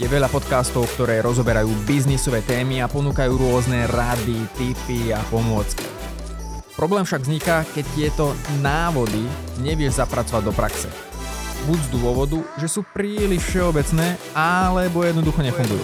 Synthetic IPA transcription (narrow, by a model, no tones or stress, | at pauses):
jɛʋɛʎapɔt̪kaːst̪ɔʊkt̪ɔɾɛːɾɔzɔbɛɾajuːbiznisɔʋɛːt̪ɛːmiapɔnuːkajuːɾʊɔznɛɾad̪it̪ipiapɔmʊɔt͡ski | pɾɔblɛːmfʃaɡvzɲikakɛc̚t̪ɪɛt̪ɔnaːʋɔd̪i | ɲɛʋɪɛʒzapɾat͡sɔʋaɟd̪ɔpɾa̰ksɛ̰ | buɟzd̪ʊɔʋɔd̪uʒɛsuːpɾiːliʃfʃɛɔbɛt͡snɛː | alɛbɔjɛd̪nɔd̪uxɔɲɛfuŋɡujṵː